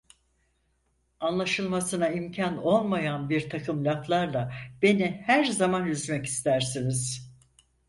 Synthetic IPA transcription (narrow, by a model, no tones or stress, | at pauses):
anlˠaʃɯlˠmasɯnaimcʰano̞lˠmajanbiɾt̪ʰakʰɯmlʲaklˠaɾlˠabe̞nihæɾzamanjyzmɛci̥st̪ʰæɾsiniz̥